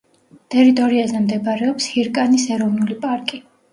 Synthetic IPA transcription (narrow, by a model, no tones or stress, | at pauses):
t̪ʼɛɾit̪ʼɔɾiazɛmd̪ɛbɾɛɔpshiɾkʼanisɛɾɔvnulipʼaɾkʼi